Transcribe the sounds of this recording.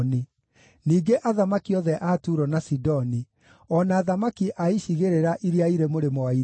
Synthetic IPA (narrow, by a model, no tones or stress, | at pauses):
ni | niːɡeʔaðamakiɔðɛʔatuɾɔnasidɔni | ɔnaːðamakiʔaiɕiɣeɾeɾaʔiɾiaiɾemoɾemɔai